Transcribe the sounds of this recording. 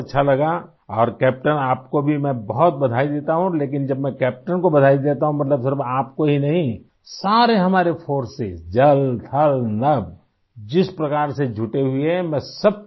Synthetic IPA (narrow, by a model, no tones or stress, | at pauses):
tːʃʰalɐɡa | ɔːɾkɛːp̚ʈənaːpkobʱimɛ̃bɐɦʊt̪̚bɐd̪ʱaːid̪eːt̪aɦũleːkɪnd͡ʒɐbmɛ̃kɛːp̚ʈənkobɐd̪ʱaːid̪eːt̪aɦũmɐt̪ləbsɪɾbaːp̚koɦinɐɦĩ | saːɾeɦɐmaːɾefʰoːɾsɪzd͡ʒɐlt̪ʰɐlnɐb | d͡ʒɪspɾɐkaːɾsed͡ʒʱʊʈeɦʊeɛmɛ̃ːsɐb̚